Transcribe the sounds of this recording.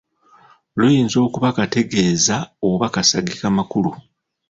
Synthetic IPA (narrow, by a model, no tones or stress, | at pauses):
lujiːnzo̞ːkuβakate̞ɡe̞ːzaoβakasaɡikamakulu